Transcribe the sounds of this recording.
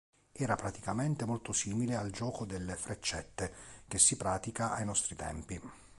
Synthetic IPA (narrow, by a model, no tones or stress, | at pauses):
ɛːɾapɾat̪i̥kament̪emolt̪osiːmileald͡ʒɔːkod̪elːefɾet͡ʃːɛt̪ːek̟esːipɾaːt̪ikaʔajnɔst̪ɾit̪ɛ̰mpi